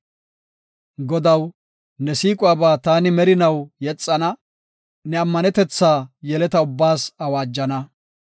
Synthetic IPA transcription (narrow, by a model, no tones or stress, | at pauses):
ɡɔd̪ɐw | nɛsiːkʼʊaːbaːt̪aːnɪmɛɾɪnɐwjɛt͡sʼːɐnɐ | nɛɐmːɐnɛt̪ɛt͡sːaːjɛlɛt̪ɐʊbːaːsɐwaːd͡ʒːɐnɐ